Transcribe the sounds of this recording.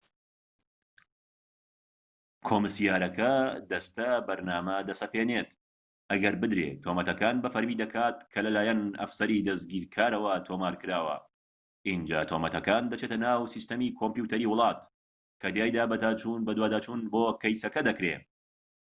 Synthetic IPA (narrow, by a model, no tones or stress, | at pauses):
kʰoːmɨsijaːɾɐkʰɐd̪ɐst̪ɐbɐɾnaːmɐd̪ɐsɐpeːneːt̪ | ʔɐɡɐɾbɨd̪ɾḛːt̪ʰomɐt̪ɐkaːnbɐfɐɾmiːd̪ɐkʰaːt̪̚kʰɐlɐlaːjɐnɐ̰fsɐɾiːd̪ɐsɡiːɾkʰaːɾɐwɐt̪ʰoːmaːɾkɨɾaːwɐ̰ | ʔind͡ʒa̰ːt̪ʰoːmɐt̪ʰɐkaːnd̪ɐt͡ʃeːt̪ɐnaːwsist̪ɐmiːkʰompjut̪ʰɐɾiːwʊlˠɑːt̪ | kʰɐd̪jaːjd̪aːbɐt̪aːt͡ʃunbɐd̪waːd̪aːt͡ʃuːnboːkɐjsɐkɐd̪ɐkɾḛ